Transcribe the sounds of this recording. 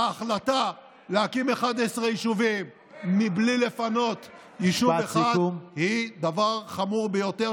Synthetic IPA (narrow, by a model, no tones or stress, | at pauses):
aːχlata | lehakimeχad̪esʁejiʃuvimː | iblile̞fano̞t̪ | jiʃueχadumhid̪avaʁχamuʁbejo̞t̪e